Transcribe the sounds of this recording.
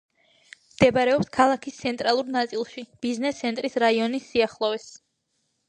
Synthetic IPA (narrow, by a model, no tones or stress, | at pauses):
md̪̥ɛbaɾɛɔpskʰalˠakʰist̪sʰɛnt̪ʼɾalˠuɾnat̪sʼilˠʃib̥iznɛst̪sʰɛnt̪ʼɾisɾaiɔnisːiaχlˠɔvɛs